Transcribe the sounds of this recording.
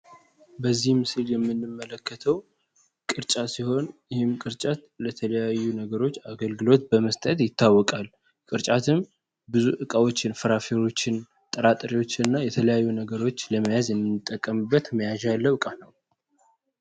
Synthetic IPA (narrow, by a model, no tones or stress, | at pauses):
bəzːihmɨsɨljɛmːɨnːɨmːələkːət̪ʰəw | kʼɨɾt͡ʃʼasiho̞njɪhɨmkʼɨɾt͡ʃʼat̪ | lət̪ʰələjajːunəɡəɾo̞t͡ʃːaɡəlɡɨlo̞t̪bəməst̪ʼət̪ʼjɪt̪ːawːɔkʼal | kʼɨɾt͡ʃʼat̪ʰɨm | bɨzuʔɨkʼawo̞t͡ʃːɪnfəɾafeɾo̞t͡ʃːɪn | t̪ʼəɾat̪ʼɾiwo̞t͡ʃːɪɨnːajɛt̪ʰələjajːunəɡəɾo̞t͡ʃːləməjazjɛmːɨnːɨt̪ʼːəkʼːəmɨbːət̪məjaʒalːəwɨkʼanəw